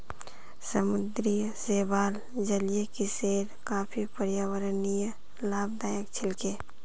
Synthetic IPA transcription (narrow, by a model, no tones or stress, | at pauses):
səmʊd̪ɾijseːbaːl | d͡ʒəlijekiseːɾkaːpʰipəɾjaːwəɾənij | laːb̚d̪aːjəkt͡ʃʰɪlkeː